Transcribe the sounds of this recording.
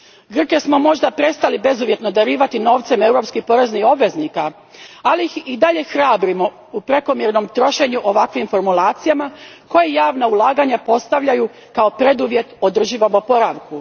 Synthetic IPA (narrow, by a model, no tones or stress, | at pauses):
ɡr̩ke̞smo̞mo̞ʒd̪apɾe̞st̪alibe̞zuʋje̞t̪no̞d̪aɾiːʋat̪ino̞ːʋt̪se̞me̞wɾo̞pskipo̞ɾe̞znixo̞bʋe̞znika | aliixid̪aʎe̞xɾaːbɾimo̞ | upɾe̞ko̞mje̞ɾno̞mt̪ɾo̞ʃe̞ɲuʔo̞ʋakʋimfo̞ɾmulˠaːt̪sijamako̞jejaːʋnaulˠaːɡaɲapo̞st̪aʋʎaju | kao̞pɾe̞d̪uʋje̞t̪o̞d̪r̩ʒiːʋamopo̞ɾaʋku